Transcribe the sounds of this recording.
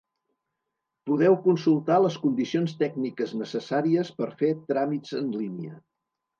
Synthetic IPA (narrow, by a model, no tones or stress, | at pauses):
puðɛwkunsulˠt̪aləskund̪isionst̪ɛɡnikəznəsəsaɾiəspəɾfet̪ɾamizənliniə̰